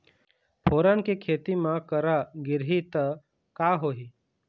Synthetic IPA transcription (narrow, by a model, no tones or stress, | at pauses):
pʰoːɾaːnkekʰeːt̪imãkəɾaɡɪɾɦit̪ə | kaːɦoːɦiː